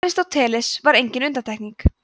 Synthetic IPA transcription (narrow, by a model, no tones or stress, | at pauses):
ɾɪst̪awt̪ʰɛːlɪsvaɾejɲcɪnʏnt̪at̪ʰɛhkniŋk